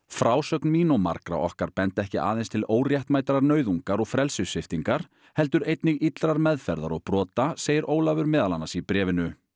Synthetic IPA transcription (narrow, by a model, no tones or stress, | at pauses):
fɾaːwsœknmiːnɔma̰ɾkɾa̰ʔɔ̰hkaɾ̥pɛnt̪ɛhcɪʔaːðejnst̪ʰɪloːwrjɛht̪maːjt̪ɾaɾnœːɥðuŋkaɾɔɣfɾɛlsʏsɪft̪iŋkaɾ̥ | hɛlt̪ʏɾejt̪nɪɣit̪lɾaɾmɛðfɛɾða̰ɾɔɣpɾɔːt̪aseːjɪɾoːwlavʏɾmɪːðalanːasipɾɛːvɪnʏ